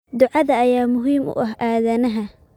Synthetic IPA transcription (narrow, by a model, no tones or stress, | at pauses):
d̪ʊʕɑðɐːjaːmʊɦiːmʊ̰ʔɐɦʔaːðɐnɐɦɐ